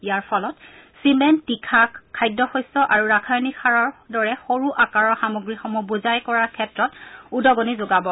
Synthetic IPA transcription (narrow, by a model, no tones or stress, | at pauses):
ijaɹpʰɔlɔt | simɛntikʰakkʰːajdːɔxɔjsɔʔaɹuɹakʰajnixʰaɹɔɹdɔɹɛxoɹuʔakaɹɔxamoɡɹixɔmubuzajkɔɹakʰɛtɹɔtudɔɡɔnizoɡabɔ